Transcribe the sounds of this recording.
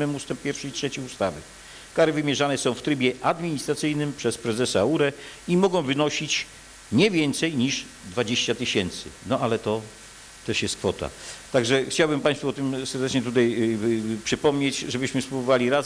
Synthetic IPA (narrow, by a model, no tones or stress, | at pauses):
ɘmust̪ɛmp̚pʲjɛɾfʂɛitʂɛt͡ɕiust̪avɘ̰ | kaɾɘvɘmʲjɛʐanɛsɔ̃w̃ft̪ɾɘbʲjɛʔad̪mʲiɲist̪ɾat̪sɘjnɘmpʂɛspɾɛzɛsauɾɛimɔɡɔ̃w̃vɘnɔɕit͡ɕ | ɲɛvʲjɛnt̪sɛjɲiʐ | d̪vad͡ʑeɕt͡ɕat̪ɘɕɛnt̪sɘ̰nɔalɛt̪ɔ | t̪ɛʂjɛst̪̚kfɔt̪a̰t̪aɡʐɛxt͡ɕawbɘmpaj̃st̪fuɔt̪ɘmsɛɾd̪ɛt͡ʂɲɛt̪̬ut̪ajpʂɘpɔmɲet͡ɕʐɛbɘɕmɘspɾubɔvalʲiɾaz